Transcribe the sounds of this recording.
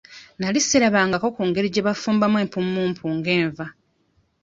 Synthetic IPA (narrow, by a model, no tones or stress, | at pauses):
nalisːeɾaβaːŋɡako̞kuːŋɡe̞ɾiɟeβafuːmbamwe̞ːmpumːuːmpʰuːŋɡe̞ːɱva